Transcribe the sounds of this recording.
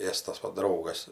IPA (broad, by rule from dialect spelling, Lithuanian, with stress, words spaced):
ˈeːstɐs ˈʋɐ ˈdrɐʊɡɐs